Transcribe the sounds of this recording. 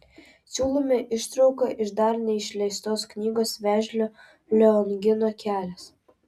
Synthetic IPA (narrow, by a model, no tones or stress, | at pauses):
sʲuːlˠoːmʲeʔɪʃt̪ɾɒʊkɐʔɪʃd̪ɐɾnʲɛɪʃʲlʲɛɪst̪oːsknʲiːɡoːsʋʲæːʒʲlʲoː | lʲɛɔŋʲɡʲɪnoːkʲæːlʲɛs